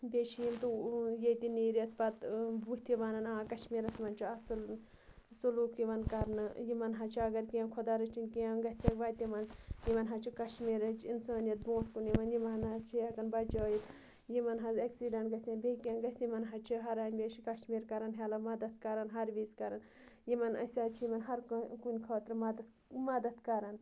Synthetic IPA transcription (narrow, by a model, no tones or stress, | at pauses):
bʲeʃʰijimt̪ujet̪iniːɾiɐt̪̚pɐt̪buht̪ʰiʋɐnɐnãːkɐʃmiːɾɐsmɐnt͡ʃʰiɐsɨl | suluːkiʋɐnkɐɾnɨjimɐnɦɐt͡ʃʰɐɡɐɾkiãːkʰod̪aːɾɐt͡ʃʰinkiãɡɐt̪ʰɐkʋaːjt̪imɐnjimɐnɦɐt͡ʃʰikɐʃmiːɾɐt͡ʃʰinsaːnijɐt̪̚bõːt̪kuniʋɐnjimɐnɐzt͡ʃʰiɐkɐnbɐt͡ʃoːjit̪ | jimɐnɦɐzɐksiɖɐɳʈɡɐsãnbekiãnɡɐsʲimɐnɦɐt͡ʃʰiɦɐɾaːnʲbʲeːʃikɐʃmiːɾkɐɾɐnɦjaːlɐmɐd̪ɐt̪̚kɐɾɐnɦɐɾʋiːzkɐɾɐn | jimɐnɐ̰sʲaːt͡ʃʰijimɐnɦɐɾkkunʲkʰoːt̪ɾɨmɐd̪ | mɐd̪ɐt̪kɐɾɐn